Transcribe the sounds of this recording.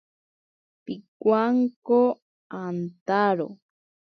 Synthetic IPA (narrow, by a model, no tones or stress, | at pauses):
pikʷaŋko | ant̪aɾo̰